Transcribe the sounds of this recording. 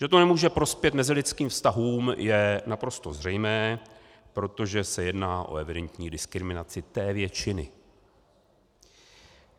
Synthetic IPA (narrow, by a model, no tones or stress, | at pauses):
ʒ̥ɛt̪onɛmuːʒɛpɾo̞spjɛt̪mɛzɪlɪt͡skiːmfst̪aɦuːmjɛnapɾo̞st̪o̞zrɛjmɛː | pɾo̞t̪o̞ʒɛsɛjɛdnaːʔo̞̰ʔɛvɪdɛnt̪ɲiːdɪskɾɪmɪnat͡sɪt̪ɛːvjɛt͡ʃɪnɪ̰